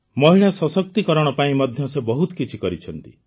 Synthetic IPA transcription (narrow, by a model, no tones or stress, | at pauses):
mɔɦiɭasɔsɔk̚t̪ikɔɾɔɽ̃ɔpaĩmɔd̪ʱjɔsebɔɦut̪ɔ̥kit͡ʃʰikɔɾit͡ʃʰɔnt̪i